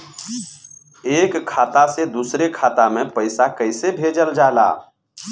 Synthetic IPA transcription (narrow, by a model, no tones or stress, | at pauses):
eːkʰːaːt̪ased̪usɾekʰaːt̪amẽpəɪsakəɪsebʱed͡ʒəld͡ʒaːla̰ː